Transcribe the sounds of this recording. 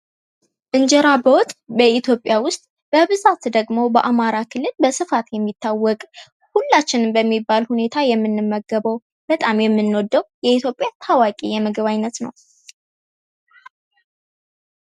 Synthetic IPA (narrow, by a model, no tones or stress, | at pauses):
ʔɨnd͡ʒɛɾabəwt̪ʼbəʔit̪ʰjopʼjawʊst̪ʼ | b̥əβɨzat̪d̪əɡmo̞bəʔamaɾakʰɨlːɨlbəsɨfat̪jɛmːit̪ʰːawːɔkʼ | hulːat͡ʃːɪnbəmːibːalhune̞t̪ʰajɛmːɨnːɨmːəɡəβəw | b̥ət̪ʼamjɛmːɨnːɔd̪ːəwjɛit̪ʰjo̞pʼjat̪ʰawakʼijɛməɡəβajnːət̪nə̰w